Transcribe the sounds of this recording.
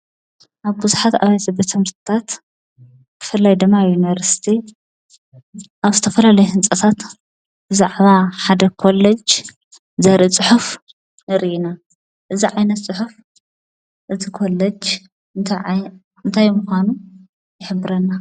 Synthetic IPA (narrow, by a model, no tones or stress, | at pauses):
ʔaβbuzuħat̪a̰βajsɐbɐt̪ʰːɨmɨɾt̪ʰɨt̪ʰat̪ | b̪ʰɨ̥fɨlːajd̪ɨmːajunivɐɾsi̥t̪ʰi | ʔaβzɨt̪ʰɐfɐlalɐjuhɨnt͡sʼɐt̪ʰat̪ | b̥ɨzaʕβaħad̪ɐkʰolːɐd͡ʒ | zɐɾʔit͡sʼɨħuf | nɨɾʔina | ʔɨziʕajnɐt̪t͡sʼɨħuf | ʔɨzikʰo̞lːɐd͡ʒ | nt̪ʰ | ɨnt̪ʰajmuxʷanu | jɪħɨbːɨɾɐnːa